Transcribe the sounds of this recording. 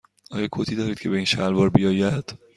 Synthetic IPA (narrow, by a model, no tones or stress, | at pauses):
ɒːjɒːkʰot̪ʰiːd̪ɒːɾiːd̪̥cʰe̞be̞iːnʃælbɒːɾbijɒːjæd̪̥